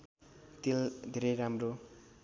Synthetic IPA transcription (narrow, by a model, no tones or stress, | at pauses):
t̪ild̪ʱeɾejɾamro